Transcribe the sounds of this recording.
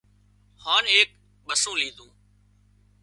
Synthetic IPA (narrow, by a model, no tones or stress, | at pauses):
haːneːk | ɓəsũːlĩːd̪ʱũː